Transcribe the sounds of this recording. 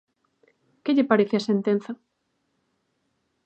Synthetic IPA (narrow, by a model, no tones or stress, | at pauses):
keʎɪpaɾeθeasent̪en̟θɐ